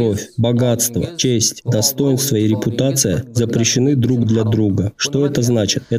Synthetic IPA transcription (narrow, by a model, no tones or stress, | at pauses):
ofʲbɐɡat̪st̪və̰t͡ɕesʲtʲd̪ɐst̪o̞jɪnst̪vəɪɾʲɪpʊt̪at̪sɨjəzəpɾʲɪɕːɪnɨd̪ɾuɡd̪lʲad̪ɾuɡəʂt̪o̞ɛt̪əznat͡ɕɪt̪ɛ